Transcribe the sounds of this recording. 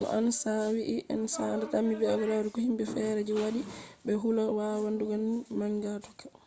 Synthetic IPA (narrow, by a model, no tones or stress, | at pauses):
nɔ̰ʔansawiʔːʔa̰nsandatamːibɛabɛɾaɾikɔhimbɛfɛɾɛd͡ʒiwaɗibɛɦulawawanduɡanmaŋɡatɔkḁ